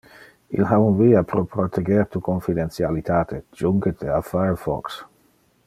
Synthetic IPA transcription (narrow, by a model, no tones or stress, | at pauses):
ḭlɦaunviːapɾopɾot̪ʰeɡɛɾt̪ukonfid̪ent̪t͡sjalit̪aːt̪ʰed͡ʒuŋɡet̪ʰeafafɔ̰ks